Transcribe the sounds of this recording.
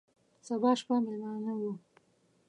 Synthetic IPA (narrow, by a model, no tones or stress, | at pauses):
sabɑːʃpamɪlmɑːnawu